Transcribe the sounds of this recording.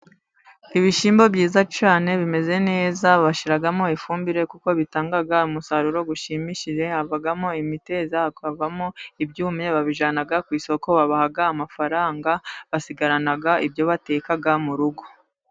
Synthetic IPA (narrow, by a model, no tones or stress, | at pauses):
iβiʃiːmbo̞bjiːzat͡ʃaːne̞βime̞ze̞ne̞ːzaβaʃiɾaɡamo̞ifuːmbiɾe̞kuko̞βitaːŋɡaɡaumusaɾuɾo̞ɡuʃiːmiʃiʒehavaɡamo̞imite̞zakavamo̞ibɟuːmɲe̞βaβiʒaːnaɡakwiːso̞ko̞βaβahaɡaːmafaɾaːŋɡaβasiɡaɾanaɡaibɟo̞βate̞ːkaɡamuɾuɡo̞